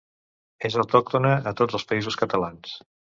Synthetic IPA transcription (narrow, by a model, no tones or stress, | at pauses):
ezəwt̪ɔk̚t̪unəət̪od͡zəlˠspəizuskət̪əlans